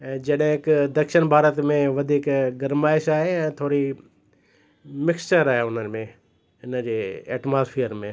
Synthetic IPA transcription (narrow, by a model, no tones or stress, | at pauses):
ɛ̃ːd͡ʑɐɗɦɪ̃ɪkd̪ɐkʃənbʱaːɾət̪mẽʋɐd̪ʱiːkɡɐɾmaːɪʃaːɦeɛ̃ːt̪ʰoːɾi | mɪkst͡ʃəɾaːɦeʊnənmẽ | ɪnəd͡ʑeːɛ̰ːʈmaːspʰiːəɾmẽ